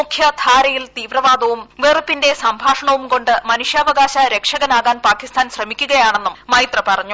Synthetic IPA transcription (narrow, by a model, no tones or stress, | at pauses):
ukʰjɐd̪ʱaːɾɐjilt̪iːʋrɐʋaːd̪ɐʋumʋeːrɨpːinde̞sɐmbʱaːʂɐɳɐʋumko̞ɳɖɨmɐnuʂjɐʋɐɣaːɕɐɾe̞kʂɐɣɐnaːɣaːnpaːkːist̪ʰaːnɕrɐmikʲːuɣɐjaːɳe̞nːummɐjt̪rɐpɐrɐɲːu